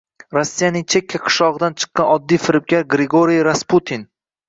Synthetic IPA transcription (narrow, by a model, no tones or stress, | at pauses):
ɾosːijanɪŋt͡ʃʰe̞kʲʰːaqʰɨ̥ʃlɒʁɨd̪ant͡ʃʰɨ̥qːɑnɒd̪ːijfɪɾɪp̚kʲaɾɡɾeɡoɾijɾasput̪ʰin